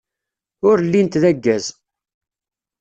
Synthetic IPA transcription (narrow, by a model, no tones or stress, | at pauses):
ʊɾlːint̪ðæɡːæz